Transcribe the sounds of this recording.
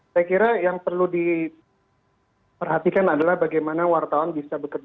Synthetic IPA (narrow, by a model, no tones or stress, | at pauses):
sajakiɾajaŋpərludi | pərɦat̪ikanadalahbaɡajmanawart̪awanbisabəkərd͡ʒ